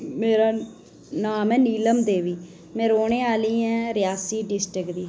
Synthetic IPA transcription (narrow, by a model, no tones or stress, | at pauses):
meːɾaː | naːmɛːniːləmd̪eːʋiː | mɛ̃ːɾoːɳeːaːliːɛ̃ːɾɪjaːsiːɖɪsʈɾɪkd̪iː